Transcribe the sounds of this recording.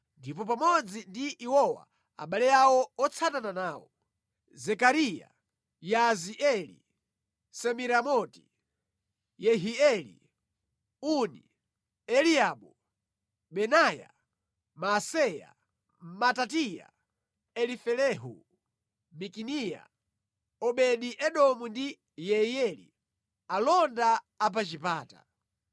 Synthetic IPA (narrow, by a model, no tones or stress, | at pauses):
ndipɔp̬amɔd͡zindiʔːwɔwa̰ | a̰ɓalɛawɔɔt͡sʰatananaːwɔ | zɛkaɾija̰ | jaziʔɛlḭ | sɛmiɾamɔti̥ | jɛɦiɛlḭ | unḭ | ɛliaɓɔ | ɓɛnaːja̰ | masɛja̰ | matatija̰ | ɛlifɛlɛɦṵ | mikinija̰ | ɔɓɛɗiʔɛɗɔmundi | jɛjɛlḭ | alɔndaː | p̬at͡ʃipaːta̰